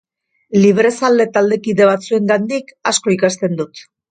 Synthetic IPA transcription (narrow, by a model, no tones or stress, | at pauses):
liβɾe̞sald̪e̞t̪ald̪e̞kiðe̞β̞at͡sue̞ŋɡand̪ikasko̞ikast̪e̞nd̪ut̪